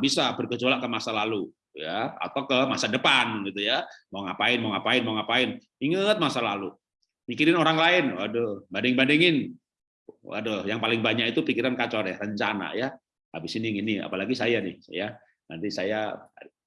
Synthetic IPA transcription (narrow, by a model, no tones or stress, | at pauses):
bisabərkət͡ʃolakəmasalalu | jaa̰t̪awkəmasadəpanɡit̪ujamaŋapaɪnmaŋapaɪnmaŋapaɪn | iŋət̪̚masalalu | mikiɾɪnoɾaŋlaɪnwa̰dobadɪŋbandɛŋɪn | wa̰dojaŋpalɪŋbaɲakit̪upikiɾankat͡ʃoɾɛhrəɲt͡ʃana̰ja | a̰bɪsiniŋinia̰palaɡisajanɪhja | na̰nt̪isaja